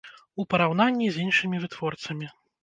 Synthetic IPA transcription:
upɐɾawnanʲːizʲinʂɨmʲivɨt̪vɔrt̪sɐmʲi

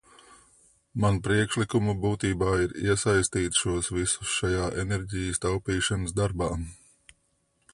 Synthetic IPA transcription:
manpɾiɛkʃlikumubuːt̪iːbaːiɾḭɛsajst̪iːt̪ʃuɔsvisu̥sʃajaːʔenɛɾʲɟijəst̪awpiːʃɐnəzd̪aɾbaː

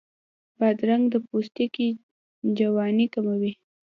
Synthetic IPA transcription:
bad̪ɾaŋɡd̪əpost̪iki | d͡ʒawɑnikamawi

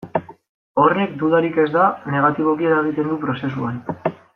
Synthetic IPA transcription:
o̞re̞k̚d̪uðaɾike̞zd̪ane̞ɣ̞at̪iβo̞kieɾaeɣ̞it̪e̞nd̪upɾo̞se̞suan

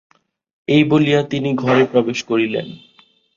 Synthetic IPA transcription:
ejboliat̪iniɡʱɔɾepɾɔbeʃkoɾilḛn

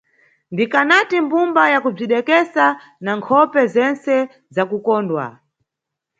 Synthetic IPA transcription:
ndikanatimbumbajakub͡ʐiɗɛkɛsa | naŋkʰɔpɛzɛnsɛ | zakukɔːndwa̰

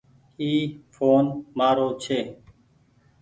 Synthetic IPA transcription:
iːfʰoːnmaːɾoːt͡ʃʰeː

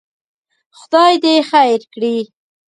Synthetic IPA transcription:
xʊd̪ɑjd̪exajɾkɽi

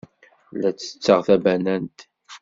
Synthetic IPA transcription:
læt͡sːə̥t͡sːəʁθæbænænt̪

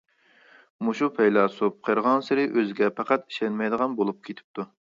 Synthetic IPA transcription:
muʃupʰɛjlˠɑsup̚qʰəɾʁɑnsɪɾɪʔøzɪɡʲɛpʰɑqɑt̪i̥ʃɛnmɛjd̪əʁɑnbolˠup̚kʲʰet̪ʰɪ̥p̚t̪ʰu

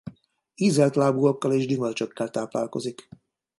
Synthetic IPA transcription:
iːzɛlt̪laːbuokːɒleːʒd̪imølt͡ʃo̞kːɛlt̪aːpla̰ːlko̞̰zik

